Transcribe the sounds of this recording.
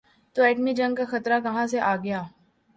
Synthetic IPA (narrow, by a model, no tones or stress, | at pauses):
t̪oɛːʈmid͡ʒɐ̃ŋɡ̚kaxɐt̪ɾakɐɦãseʔaːɡɐjaː